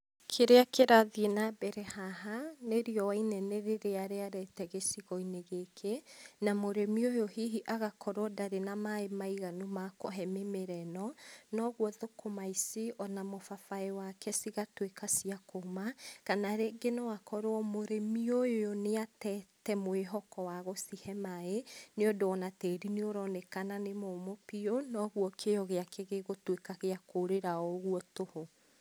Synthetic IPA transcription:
kʰeɾeakeɾaðienabɛɾɛhaɦaneɾiɔwainɛneɾeɾeaɾeaɾɛtɛɣesiɣɔineɣekʰenamoɾemiojohiɦiʔaɣakʰɔɾwɔdaɾenamaemaiɣanumakɔɦɛmemeɾɛnɔnɔɣwɔðokʰomaisiʔɔnamofafaɛwakʰɛsiɣatwekasiakomakanaɾeɡenɔwakʰɔɾoɔmoɾemiojojoneatɛtɛmoeɦɔkɔwaɣosihɛmaeneɔdoɔnatɛɾineoɾɔnekananemomopionɔɣuɔkʰejɔɣeakeɣeɣotwekaɣeakoɾeɾaɔɣuɔtoho

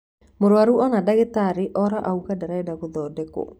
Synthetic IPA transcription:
moɾwaɾuɔnadaɣetaɾiʔɔɾaʔauɣadaɾaɛdaɣoðɔːdɛko̰

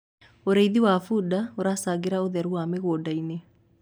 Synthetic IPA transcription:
oɾeiðiwafudaoɾasaɣeɾaoðɛɾuameɣoːdaine

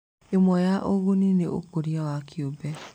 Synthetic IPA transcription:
emɔjaʔoɣonineʔo̰koɾiawakʰjobɛ

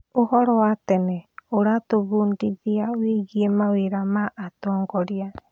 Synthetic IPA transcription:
ohɔɾoat̪eneoɾat̪oβundiðiawiɡiemawiɾamaʔat̪oːŋɡɔɾia

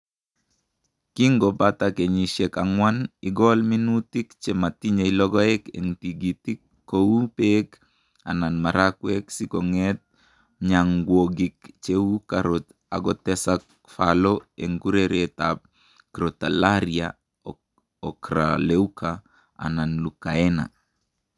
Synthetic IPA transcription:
kiŋɡɔbat̪akeɲiʃɛkaŋwaniɡɔlminut̪ikt͡ʃemat̪iɲeilɔɡɔɛkḛŋtiɡit̪ikːoupek | a̰nanmaɾakwɛksikoŋɛt̪̚ | ɲaŋɡwoɡikt͡ʃeukaɾot̪ | a̰ɡɔtɛsak | faloeŋɡuɾeɾet̪ap̚ | kɾot̪alaɾia | ɔkɾa̰leukʰa | a̰nanlukaɛna̰

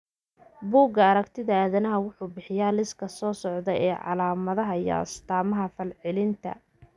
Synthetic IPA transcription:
buːɡɐːɾɐkt̪ʰɪðɐaːðɐnɐɦɐwʊħuːbɪħɪjaːlɪskʰɐsɔːsɔʕðɛjɛːʕɑ̰laːmɐðɐɦɐjɑ̰ɐ̰st̪ʰaːmɐɦɐfɐlʕɪlɪnt̪ʰɐ̰

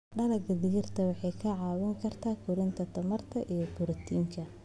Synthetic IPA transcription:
ɖɐlɐɡɐðɪɣɪrt̪ʰɐwɑħɑjkʰɐʕɑːwɐŋkʰɐrt̪ʰaːkʰʊɾɪnt̪ʰɐt̪ʰɐmɐrt̪ʰɐʔijbʊɾɐt̪ʰiːŋkʰɐ

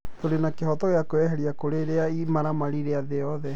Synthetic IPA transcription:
toɾenakeɦɔtɔɣeakoɛɦɛɾiakoɾeɾeaimaɾamaɾiɾeaðeɔðɛ

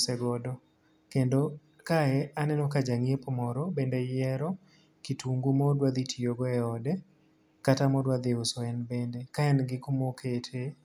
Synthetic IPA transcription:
sɛɡɔdɔ | kendo | kaɛanɛnɔkad͡ʒaŋiepɔmɔɾɔbendɛjɛɾɔ | kitʰuŋɡumɔdwad̪itʰijoɡɔɛɔdɛ | katamɔdwad̪ɪʊsɔɛnbendekaɛnɡɪkomokʰetʰe

